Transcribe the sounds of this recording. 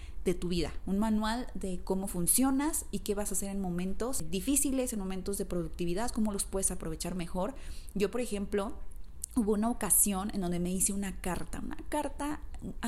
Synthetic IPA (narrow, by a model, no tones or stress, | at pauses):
ð̥e̞t̪uβ̞iða̰unmanwald̪e̞ko̞mo̞funsjo̞nasike̞βasase̞ɾe̞nmõ̞mẽ̞nt̪o̞sd̪ifisile̞se̞nmo̞me̞nt̪o̞zðe̞pɾo̞ðuk̚t̪iβiðaðko̞mo̞lospwe̞ðesapɾo̞β̞e̞t͡ʃaɾme̞xo̞ɾɟ͡ʝo̞po̞ɾexe̞mplo̞ | uβo̞unao̞kasjo̞nḛ̃nd̪o̞nd̪e̞me̞ise̞unakaɾt̪a̰ṵna̰kaɾt̪a